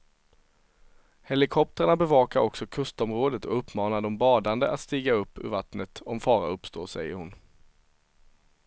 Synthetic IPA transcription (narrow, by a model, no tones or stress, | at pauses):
hɛlɪkʰɔp̚t̪əɾaɳabɛvɑːkaɾɔksɔkʰɵst̪ɔmɾoːd̪ət̪ʰɔɵpʰːmɑːnaɖɔmbɑːd̪and̪əʔat̪st̪iːɡaɵpːɵ̰ɾvat̪nət̪ɔmfɑːɾa̰ɵpst̪o̰ːsɛ̰jːəɾhʊn